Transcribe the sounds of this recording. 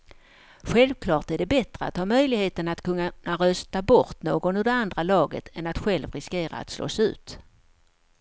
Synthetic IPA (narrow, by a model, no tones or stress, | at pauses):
ɧɛlvkʰlɑːʈæɖɛbɛt̪ɾəat̪hɑːmœjlɪɡheːt̪ənat̪kʰɵnːaaɾœst̪abɔɾt̪noːɡɔnɵd̪ɛand̪ɾalɑːɡə̰t̪ʰɛnat̪ɧɛlvɾɪskeːɾa̰a̰t̪slo̰ːsʉ̟̰ːt̪